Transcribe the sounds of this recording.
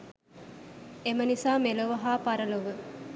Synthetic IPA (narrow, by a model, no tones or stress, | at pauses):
emənisaːmeloʋɐɦaːpɐɾəloʋə